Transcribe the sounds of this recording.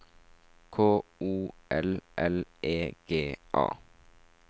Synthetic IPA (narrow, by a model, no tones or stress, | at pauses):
kʰoːuːʔɛlʔɛleːɡ̥eːʔɑ̰ː